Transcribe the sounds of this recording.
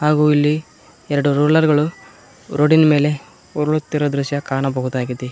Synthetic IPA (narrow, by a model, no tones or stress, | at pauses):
ɦaːɡuːilːi | ɛɾɐɽuɾuːlɐɾɡɐɭu | ɾʔoɖinɐme̞ːle̞ | ɔɾɐɭut̪ːiɾod̪ɾuʃjɐkaːɳɐbɐɦud̪aːɡid̪e